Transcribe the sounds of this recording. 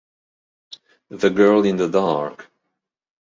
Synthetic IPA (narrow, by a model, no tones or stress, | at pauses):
ðɨɡɜ˞lˠɪ̃nðədɑɹk